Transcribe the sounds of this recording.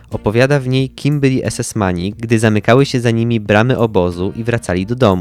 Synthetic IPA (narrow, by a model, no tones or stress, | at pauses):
ɔpɔvʲjad̪avɲejkʲimbɘlʲiʔɛsɛsmaɲiɡd̪ɘzamɘkawɘɕɛzaɲimʲibɾamɘʔɔbɔzuʔivɾat̪salʲid̪ɔd̪ɔmu